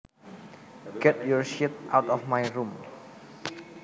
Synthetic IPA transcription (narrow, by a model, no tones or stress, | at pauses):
ɡ̥ɛt̚jɔɹʃit̚ʔawtɔfmajrum